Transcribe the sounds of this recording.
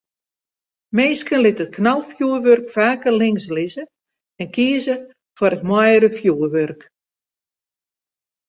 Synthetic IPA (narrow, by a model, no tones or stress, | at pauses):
meːskənlɪtət̚kʰnalˠfjuərʋørkfaːkərlɪŋslizə | ɛnkiəzə | faɾətmɔjɾəfjuːəʋørk